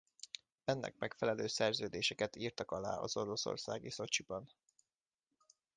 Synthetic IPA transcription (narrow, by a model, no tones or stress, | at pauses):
ɛnːɛ̰k̚mɛkfɛlɛløːsɛrzøːd̪eːʃɛkɛt̪iːrt̪ɒkɒla̰ːɒ̰z̥o̞ɾo̞so̞̰rsa̰ːɡiso̞t͡ʃibɒn